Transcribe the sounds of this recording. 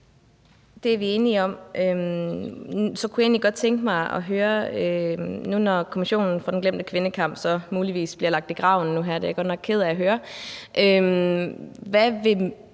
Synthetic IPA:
d̥e̝æɐʋie̝ːniɒ̽m̰ʔø | sɒ̽kʰujɑe̝̰ːnliɡ̥ɒ̽d̥̚t͡sʰeŋɡ̥əmɑ̈ɪʔɒ̰ɦøːɐønunɒkʰo̝miɕo̝̰ːnn̩fʁɑ̈d̥enɡ̥lem̰d̥əkʰʋe̝nəkʰɑ̈m̰b̥sɒ̽muːliʋḭːsb̥liɐlɑ̈ɡ̥̚d̥iɡ̥ʁɑ̈ʊ̰n̩ːuɦæɐ̰d̥ejɡ̥ɒ̥nɒ̽ɡ̥̚kʰe̝ð̞̰ˠæːɦøːɐʔøm | ʋæʋe̝

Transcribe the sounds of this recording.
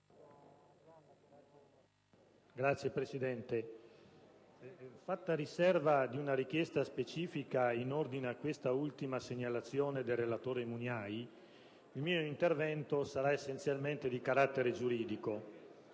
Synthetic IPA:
ɡɾat̪sjepɾesid̪ɛnt̪e | fat̪ːaɾisɛrvad̪iunaɾik̟jɛst̪aspet͡ʃiːfikainord̪ineakːwest̪ault̪imaseɲːalat̪sːjoːned̪elrːelat̪oːɾemunjaj | ilmiːoint̪ervɛnt̪osaɾaesːent̪sjalment̪ed̪ikaɾat̪ːeɾed͡ʒuɾiːd̪iko

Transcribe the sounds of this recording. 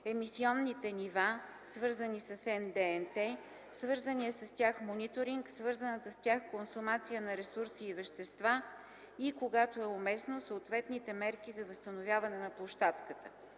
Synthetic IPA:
ɛmisiɔnːit̪ɛniva | svɤɾzənisɐsɛnd̪ɛɛnt̪ɛ | svɤɾzəniɛsɐst̪ʲaxmonit̪oɾiŋksvɤɾzənət̪əst̪ʲaxkonsumat̪sijənɐɾɛsuɾsiːvɛʃt̪ɛst̪va | ikoɡat̪oɛʊmɛsnosəːt̪vɛt̪nit̪ɛmɛɾkizɐvɐst̪ənovʲjavɐnɛnɐplˠoʃt̪at̪kət̪ə̥

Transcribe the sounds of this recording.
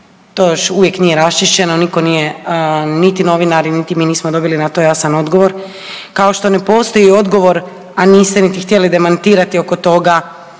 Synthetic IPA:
t̪oːjoʃuʋje̞kniːjeɾast͡ʃiʃt͡ɕe̞noniko̞nije | nit̪ino̞ʋinaɾinit̪imiːniːsmod̪o̞bilinat̪ojasano̞d̪ɡo̞ʋo̞ɾ | kao̞ʃt̪o̞ne̞po̞ːst̪o̞jio̞d̪ɡo̞ʋo̞ɾ | aniːst̪enit̪ixt̪jelid̪e̞mant̪iːɾat̪io̞ko̞t̪o̞ɡa

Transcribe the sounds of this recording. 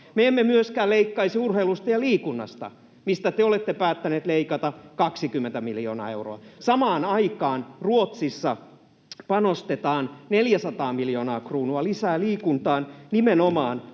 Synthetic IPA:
meemːemyøskæːleikːɑisiurheilust̪ɑjɑliːkunːɑ̰st̪ɑ̰ | mist̪æt̪eolet̪ːepæːt̪ːæneːt̪leikɑt̪ɑkɑksikymːent̪æmiljoːnɑ̰ːe̞wro̰ɑsɑmɑːnɑikɑːnruot̪sisːɑ | pɑnost̪et̪ɑːnneljæsɑt̪ɑːmiljo̞ːnɑːkruːnuɑlisæːliːkunt̪ɑːnnimenomɑːn

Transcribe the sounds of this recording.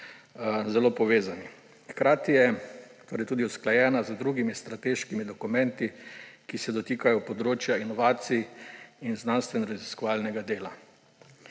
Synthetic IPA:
zɛloːpɔʋeːzani | xkɾaːt̪ijɛt̪oːɾɛjt̪uːd̪iusklajɛːnazəd̪ɾuɡimist̪ɾat̪eːʃkimid̪ɔkumɛnt̪ikisɛd̪ɔt̪iːkajɔpɔd̪ɾoːt͡ʃjainɔʋaːt̪sijinznanst̪ʋɛnɾaziskɔʋaːlnɛɡad̪eːla

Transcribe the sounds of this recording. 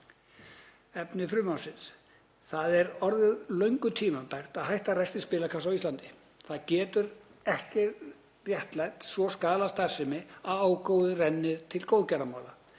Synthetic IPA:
ɛpnɪfɾʏːmawsɪns | θaðɛɾɔɾðʏðlœɥŋkʏt̪ʰiːmampajr̥t̪aðɦajht̪arajst̪ɪspɪːlakʰasawist̪lant̪ɪ̥ | θaðcɛːt̪ʏɾ | ɛhcɪ | rjɛht̪lajt̪svɔskaːlast̪asɛmɪaðaːwkoːwðɪrɛnːɪðt̪ʰɪlkowðcaɾamaːwla

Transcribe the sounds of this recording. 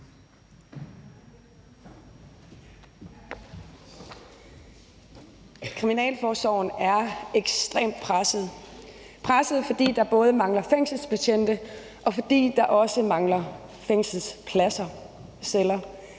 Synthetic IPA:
kʰʁiminɛ̰ːlfɒːsɒʊn̩æɐeɡ̥sd̥ʁḛːmd̥̚pʰʁasð̩ˠ | pʰʁasð̩ˠfɒ̽d̥ḭːd̥ɑ̈b̥ɔ̽ːð̞ˠəmɑ̈ŋlɐfeŋ̰sl̩spʰæɕʰen̰d̥ə | ʔɒ̽fɒ̽d̥ḭːd̥ɑ̈ʔɒ̽səmɑ̈ŋlɐ | feŋ̰sl̩spʰlæsɐ | selɐ

